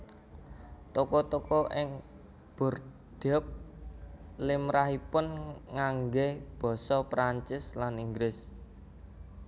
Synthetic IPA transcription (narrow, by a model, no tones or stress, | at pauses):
t̪okɔt̪okɔʔɪŋ | b̥ɔ̤r | d̪̥ɛp̚ | lɪmɾaɦipʊnŋaŋɡeb̥ɔ̤sɔpɾaɲt͡ʃɪslaniŋɡɾɪs